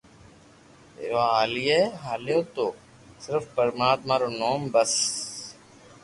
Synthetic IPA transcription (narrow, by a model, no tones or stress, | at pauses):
oɦaːliːeːɦaːljoːt̪oː | sɪɾfpəɾmaːt̪mãːɾoːnoːmbəs